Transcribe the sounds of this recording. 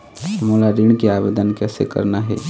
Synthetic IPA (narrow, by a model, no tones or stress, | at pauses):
səmolaɾiɳ̃keaːbed̪ənkɛːsḛkə̰ɾnaɦɛ̰ː